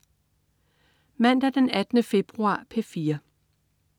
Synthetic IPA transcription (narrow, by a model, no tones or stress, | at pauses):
mæn̰d̥æɐd̥enæd̥ənəfe̝b̥ʁuɑ̰̈ːpʰefiːɐ